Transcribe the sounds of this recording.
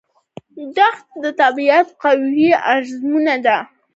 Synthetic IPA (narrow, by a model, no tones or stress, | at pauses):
d̪axt̪̚d̪ət̪abiat̪qawiaɾzmunad̪a